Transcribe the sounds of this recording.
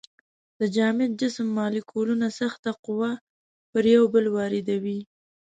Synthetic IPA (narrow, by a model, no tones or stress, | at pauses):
d̪̥əd͡ʒɑmɪd͡ʒɪsmːɑlikʰolunasaxt̪aqʊwa | pəɾjawbəlwɑɾɪd̪awi